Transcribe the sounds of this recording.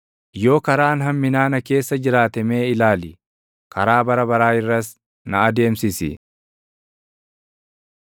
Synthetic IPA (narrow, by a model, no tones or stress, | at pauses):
jo̞ːkɐɾaːnɦɐmːɪnaːnɐke̞ːsːɐd͡ʒɪɾaːt̪ɐme̞ːɪlaːlɪ | kɐɾaːbɐɾɐbɐɾaːɪrːɐs | nɐɐd̪e̞ːmsɪsɪ̰